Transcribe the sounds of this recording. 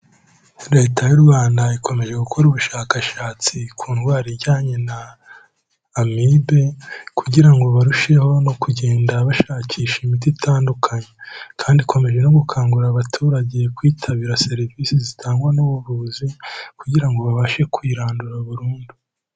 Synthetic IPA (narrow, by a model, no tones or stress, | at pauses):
ɾe̞ːtajuɾwaːndaikʰo̞me̞ʒe̞ɡukʰo̞ɾuβuʃaːkaʃaːt͡sikʰuːnɡwaːɾiɟaːɲe̞na | mibe̞kuɟiɾaŋɡo̞βaɾuʃeho̞no̞kuɟe̞ːndaβaʃaːcʰiːʃemit̬itʰaːndukʰaɲekʰaːndikʰo̞me̞ʒe̞no̞ɡukʰaːŋɡuɾaβatʰuːɾaɟe̞kwiːtʰaβiɾase̞ɾiviːsizitʰaːŋɡwanuβuβuzikuɟiɾaŋɡo̞βaβaʃe̞kwiːɾaːnduɾaβuɾuːndu